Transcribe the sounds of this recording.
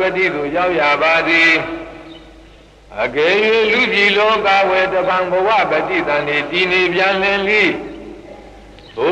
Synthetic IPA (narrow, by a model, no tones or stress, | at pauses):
bɛtḭd̪ojaʊʔjabad̪i | ʔəɡɛjwɪ̃lubilɔkawɛtəbãmbəwä̰bɛtḭd̪ãnɪtinepjãl̥ɪ̃nlḭ | bo